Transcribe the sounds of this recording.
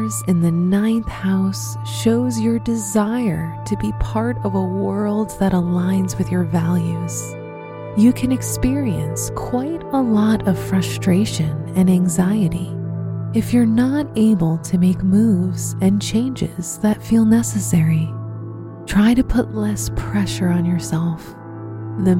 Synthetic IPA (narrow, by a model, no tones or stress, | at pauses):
zɨ̃nðɨnãɪ̃nθhaʊs | ʃoʊzjə˞dɨzaɪə˞ɾɨbipʰɑɹɾʌvəwɜ˞lˠd̪̚ðɨɾəlãɪ̃nzwɨðjə˞vælˠjʉz̥ | jɨkʰɨ̃nɨkspɪɹiɨ̃nskʰw̥aɪɾəlɔɾʌv̥fɹʌstɹ̥eɪʃɨ̃nɨ̃næ̃ŋzaɪɨɾi | ɨfjə˞nəɾeɪbəl̩ˠtʰɨmeɪkmuvzɨ̃nt͡ʃʰẽɪ̃nd͡ʒɪz̥ðɨtfilˠnɛsɨsɛɹi | tʰɹ̥aɪɾɨpʰʊtˡlɛspʰɹ̥ɛʃə˞ə̃njə˞sɛlˠf | ðɨ